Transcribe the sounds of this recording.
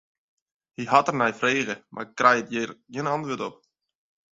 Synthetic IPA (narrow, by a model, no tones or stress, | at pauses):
hiɦɑtərnɛjfreːɣəmʔa̰rkrɛjətjɪrjiənɑntʋoːtɔp